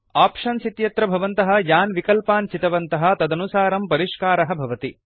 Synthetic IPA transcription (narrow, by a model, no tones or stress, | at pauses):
aːpʂɐnsit̪jɐt̪ɾɐbʱɐʋɐnt̪ɐɦɐ̆jaːnʋikɐlpaːnt͡ʃit̪ɐʋɐnt̪ɐɦɐ̆t̪ɐd̪ɐnusaːɾɐmpɐɾiʂkaːɾɐɦɐ̆bʱɐʋɐt̪i